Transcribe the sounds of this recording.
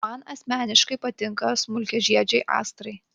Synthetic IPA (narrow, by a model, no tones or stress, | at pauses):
ɑnɐsʲmʲæːnʲɪʃkɐɪpɐt̪ʲɪŋkɐsmʊlʲkʲɛʒʲiɛd͡ʒʲɛɪʔɑ̰ːst̪ɾɐɪ